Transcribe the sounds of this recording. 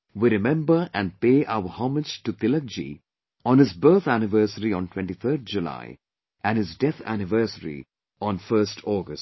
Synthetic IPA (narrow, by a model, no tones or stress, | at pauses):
ʋiɾɪmɛ̃mbəɾæ̃nɖ̚peːʔa̰ʊəhɑːməd͡ʒʈut̪ɪlək̚d͡ʒḭ | ɔ̃ːnɪzbəːt̪ʰænɪʋəɾsəɾiɔ̃nʈwɛ̃ɳʈit̪ʰəːd̪̚d͡ʒula̰ɪ | ʔæ̃nhɪzɖɛt̪ʰæ̰nɪʋəːsəɾḭ | ʔɔ̃ːnfəɾsʈʰɔːɡəs